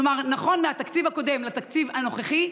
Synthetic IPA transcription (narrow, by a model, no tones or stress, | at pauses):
omaʁnaχo̞nmeat̪akt͡sivhako̞d̪e̞mlat̪akt͡sivhano̞χeχi